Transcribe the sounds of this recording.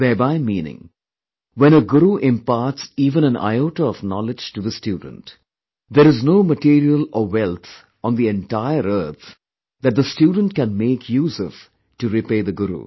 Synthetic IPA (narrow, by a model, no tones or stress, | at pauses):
ðɛːbaɪmĩːnɪ̰̃ŋ | ʋɛ̃ñəɡʊɾuʔɪ̃mpaːʈsiːʋə̃ñæ̃nʔa̰ɪoːʈəɔfnɔlɪd͡ʒʈuðəstjuːɖə̰̃n̩ʈ | d̪əɾɨznoːməʈiːɾiəlɔwɛlt̪ʰ | ɔ̃nd̪iɛ̃nʈaɪəɾəɾt̪ʰ | d̪æʈ̚d̪əsʈjuːɖənʈkɛ̃nmeːkʰjuːzɔv̥ | ʈuɾipeːd̪əɡʊɾṵ